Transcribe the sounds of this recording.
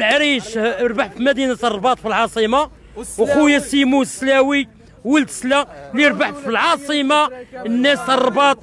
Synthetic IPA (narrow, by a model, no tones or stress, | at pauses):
lʕɾiʃɾˤbaħfimæd̪inæt̪ərˤːbɑt̪ˤfilʕɑsˤima | wqujæsimuslæwi | wəlt̪slæliɾˤbaħfilʕɑsˤimɑənːæsrˤːbɑt̪ˤ